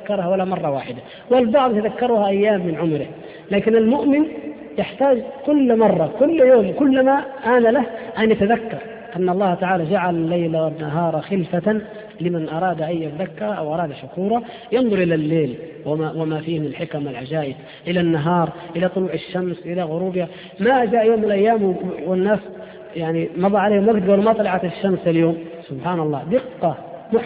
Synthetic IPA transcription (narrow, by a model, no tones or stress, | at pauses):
kːɑɾˤhawalːamɑrˤːɑwaːħɪd̪a | wɪlbɑʕd̪ˤt̪aðakːɑɾˤuːhaʔajːaːmːɪnʕʊmɾɪh | laːkɪnalmʊʔmɪn | jɪħt̪aːd͡ʒkʊlːmɑrˤːɑkʊlːjoːmkʊlːmaʔanalahʔanjat̪aðakːɑɾˤ | ʔanːɑlˤːɑːht̪aʕaːlad͡ʒaʕalalːajlawanːaɦɑːɾˤɑxɪlfa | lɪmanʔɑɾˤɑːd̪ʔajːat̪aðakːɑɾˤɑʔawʔɑɾˤɑːd̪aʃʊkuːɾˤɑ | jɪnðˤʊɾˤʔɪlalːeːl | wawɪmafiːmɪnɪlħɪkamɪlʕad͡ʒaːʔɪb | ʔɪlanːaɦɑːɾˤʔɪlat̪ˤʊluːʕɪʃːamsʔɪlaɣʊɾuːbha | maʔd͡ʒaːʔjoːmːɪnlʔajːaːmwɪnːaːs | jaʕnimɑðˤɑʕaleːhmabd̪ɡalmɑt̪ˤɑlɑʕat̪ɪʃːamsaljoːm | sʊbħaːnɑlˤːɑːd̪ɪqːɑ | mʊħ